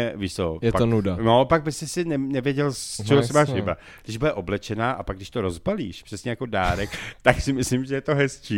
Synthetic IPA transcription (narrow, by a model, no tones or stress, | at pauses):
ɛviʃsojɛpaonudanopaɡ̚bɪst̪ɛsɪnɛnɛvjɛɟɛlst͡ʃɛɦosɪmaːʃvɪbɾa̰ | ɡdɪʒbudɛʔo̞blɛt͡ʃɛnaːʔapaɡdɪʃt̪o̞ɾo̞zbalḭːʃpr̥ɛsɲɛjako̞daːɾɛkt̪aksɪmɪslimʒɛjɛt̪o̞ɦɛst͡ʃiː